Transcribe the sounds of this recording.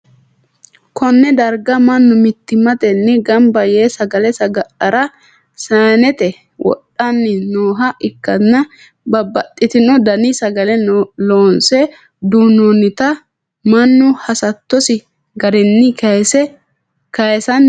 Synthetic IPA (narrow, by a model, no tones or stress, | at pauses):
kʰɔnːɛd̪ɐɾɡɐmɐnːʊmɪt̪ːɪmɐt̪ɛnːɛɡɐmbɐjeːsɐɡɐlɛsɐɡɐʔɐɾɐ | saːnɛt̪ɛ | wɔ̰ɗːɐnːɪnoːɦɐʔɪkːɐnɐ | bɐbːɐtʼːɪt̪ɪnɔd̪ɐnɪsɐɡɐlɛloːnsɛ | d̪uːnonɪt̪ɐ | mɐnːʊhɐsɐt̪ːɔsɪ | ɡɐɾɛnːɪsɛ | kɐjsɐn